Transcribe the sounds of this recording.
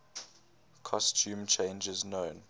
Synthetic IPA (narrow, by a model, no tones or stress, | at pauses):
kʰɔstʰuːmt͡ʃʰẽɪ̃nd͡ʒɪznõːn